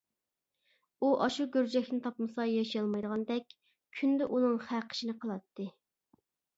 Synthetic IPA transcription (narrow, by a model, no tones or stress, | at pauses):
uʔɑʃuɡʲøɾd͡ʒɛkʲnɪt̪ʰɑpmɨsɑjɑʃijɑlˠmɑjd̪əʁɑnd̪ɛkʲ | kʲʰynd̪ɛʔunɨŋχæqʰə̥ʃinɨqʰəlˠɑt̪ʰːɨ